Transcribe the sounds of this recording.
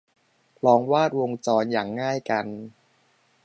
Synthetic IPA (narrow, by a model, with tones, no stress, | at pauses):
pʰlɔː˧ŋwaː˥˩t̪̚wo˧ŋt͡ɕɔː˧njaː˨˩ŋːaː˥˩jka˧n